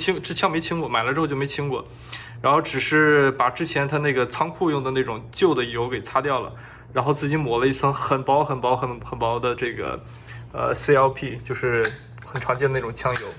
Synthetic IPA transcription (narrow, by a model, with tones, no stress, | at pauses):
t͡ɕʰi˥ŋʈ͡ʂɻ̩˥˩t͡ɕʰjɑ˥˧ŋ˧me˧˥ɪt͡ɕʰi˥ŋkwɔ˥˩ma˨˩ɪlə˧ʈ͡ʂɻjo˥˩m˧˥ɪt͡ɕʰi˥ŋkwɔ̰˥˩ | ɻa˧˥nxo˥˩ʊʈ͡ʂɻ̩˨˩ʂɻ̩˥˩pa˨˩ʈ͡ʂɻ̩˥t͡ɕʰjɛ˧˥nt̪ʰa˥na˥˩ɡə˩t͡sʰɑ˥ŋkʰu˥˧jʊ˥˩ŋd̪ə˩na˥˩ʈ͡ʂʊ˨˩ŋt͡ɕjo˥˩ʊd̪ə˩jo˧˥ʊke˨˩ɪt͡sʰa˥t̪jɑ˥˩ʊlə̰˩ | ɻa˧˥nxo˥˧ʊt͡sɹ̩˥˩t͡ɕi˥nmwɔ˨˩lə˦i˥˩sɤ˥ŋxə˨˩npɑ˧˥ʊxə˨˩npɑ˧˥ʊxə˧˥nxə˨˩npɑ˧˥ʊd̪ə˧ʈ͡ʂɤ˥˩ɡə̰˩ | ə̰˧si˥ɑ˥ʊpʰi˥˩t͡ɕjo˥˧ʊʂɻ̩˥˩ | xə˨˩nʈ͡ʂʰɑ˧˥ŋt͡ɕjdəna˥˩ʈ͡ʂʊ˨˩ŋt͡ɕʰjɑ˥ŋjo˧˥ʊ